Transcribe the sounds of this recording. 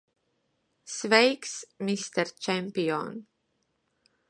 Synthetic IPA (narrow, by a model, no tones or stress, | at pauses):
svɛjksmist̪ɛɾt͡ʃɛmʲpʲiɔ̰n